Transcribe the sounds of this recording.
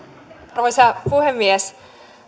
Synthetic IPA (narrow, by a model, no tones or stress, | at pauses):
roisɑpuhemːies